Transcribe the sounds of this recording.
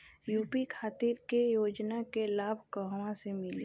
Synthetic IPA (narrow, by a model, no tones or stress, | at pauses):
juːpikʰaːt̪ɪɾkejoːd͡ʒnakelaːbʱkəɦwãsemɪle